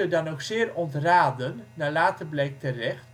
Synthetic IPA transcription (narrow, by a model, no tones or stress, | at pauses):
ədɑnoksɪːrɔntraːdənːaːlaːtəblɛjk̚tərɛχ